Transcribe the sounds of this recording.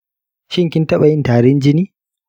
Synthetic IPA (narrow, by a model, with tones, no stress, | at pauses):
ʃɪ˦ŋkʲɪ˦ntɐ˦ɓa˨jɪ˦ntaː˨ɾɪ˦nd͡ʒɪ˦niː˦